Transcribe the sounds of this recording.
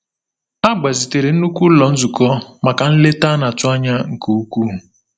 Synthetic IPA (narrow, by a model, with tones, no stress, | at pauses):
a˦ɡ͡ba˨zi˨te˨ɾe˨n̩˦nu˦kʷu˦lɔ˨n̩˦zu˨kɔ˦ma˨ka˨n̩˦le˦ta˦na˨tʊ˦a˦ɲa˦ŋ̩˨ku˨u˦ku˦˨